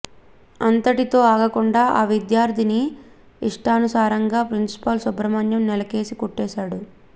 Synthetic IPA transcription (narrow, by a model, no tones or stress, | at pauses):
ɐnt̪ɐʈit̪o̞ːaːɡɐkuɳɖaːʔaːʋid̪jaːɾt̪ʰini | iʂʈaːnusaːɾɐŋɡaːpɾinsi̥pɐlsubɾɐmɐnjɐmnɛlɐke̞ːsikuʈːɛːʃaːɽu